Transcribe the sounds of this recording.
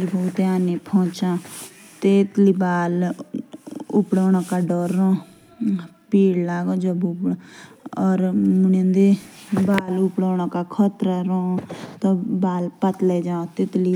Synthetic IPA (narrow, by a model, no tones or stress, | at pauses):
bot̪eaːneːpʰɔ̃ːt͡ʃãː | t̪et̪liːbaːl | ʊpɽoːɽ̃ãːkaːɖɔːɾːõː | piːɽlaːɡõːd͡ʒəbʊp | ɔːɾmʊnə̃nd̪ebaːlʊpɽoːɽ̃õːkakʰɔt̪ɾəɾõːt̪õbaːlpət̪leːd͡ʒãːõt̪et̪li